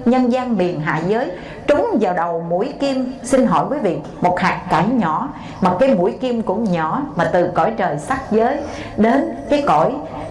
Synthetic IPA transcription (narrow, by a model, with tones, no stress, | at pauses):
ɲə˧nzaː˧nɓi˨˩ənɦa̰ː˧˨zəː˨˦j | t͡ɕʊ˨˦ŋ͡mzaː˨˩wɗə˨˩wmṵ˧˩˥jki˧əmsi˧nɦɔ̰˧˩jkwəː˨˦vḭ˨˩ək̚mo˨˩t̚haː˨˩ŋ̚ka˧˩˦jɲɔ˧˩˦ | maː˨˩kaː˨˦jmṵ˧˩əjki˧əmkʊ̰˧˥ŋ͡mɲɔ˧˩maː˨˩t̪ɨ˨˩kɔ̰˧˩jt͡ɕəː˨˩jsa˦˥k̚zəː˨˦j | ɗe˨˦nkaː˨˦jkɔ˧˩˨j